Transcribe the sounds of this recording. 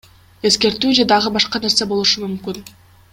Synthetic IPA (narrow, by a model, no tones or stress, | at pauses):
e̞ske̞ɾt̪yːd͡ʒe̞d̪ɑʁɯbɑʃqɑne̞ɾse̞bo̞lˠuʃumymkyn